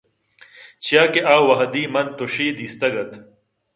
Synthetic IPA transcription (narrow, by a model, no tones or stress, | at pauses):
t͡ɕijaːkeʔaːwɐɦɐd̪iːmɐnt̪oɕiːd̪iːst̪ɐɡɐt̪